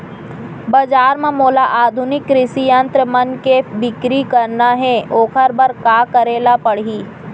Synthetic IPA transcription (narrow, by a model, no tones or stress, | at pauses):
bɐd͡ʒaːɾmãmoːlaʔaːd̪ʱʊnɪkːɾɪsiə̃nt̪ɾəmɐnkebɪkɾikɐɾnaɦɛoːkʰəɾbɐɾkaːkəɾeːlapɐɽɦiː